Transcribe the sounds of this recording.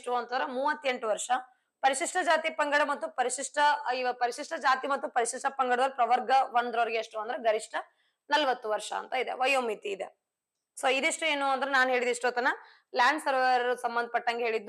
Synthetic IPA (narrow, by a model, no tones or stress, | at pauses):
ʈuʋɐnt̪ɐɐɾemuːʋɐt̪ːe̞ɳʈuʋɐɾʂɐ | pɐɾiʂiʂʈɐd͡ʒaːt̪ipɐŋɡɐɽɐmɐt̪ːupɐɾiʂiʂʈɐiʋɐpɐɾiʂiʂʈɐd͡ʒaːt̪imɐt̪ːupɐɾiʂiʂʈɐpɐŋɡɐɽɐd̪ɐlpɾɐʋɐɾɡɐʋɐnd̪ɾoːɾɡeɐʂʈuɐnd̪ɐɾeɡɐɾiʂʈɐ | nɐlʋɐt̪ːuʋɐɾʂɐ̰ːnt̪ɐid̪ḛʋɐjoːmit̪iːd̪e | soːid̪iʂʈue̞ːnuːɐnd̪ɐɾenaːnɦeːɭid̪iʂʈoːt̪ɐnːɐ | ljaːɳɖsɐɾʋɐɾɐɾusɐmbɐnd̪ʱɐpɐʈːɐŋɡeɦeːɭid̪ːu